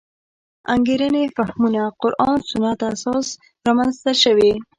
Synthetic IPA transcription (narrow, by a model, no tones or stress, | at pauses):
a̰ŋɡeɾənefahmunaqʊɾʔɑnsʊnat̪asɑs | ɾɑmanzt̪aʃəwi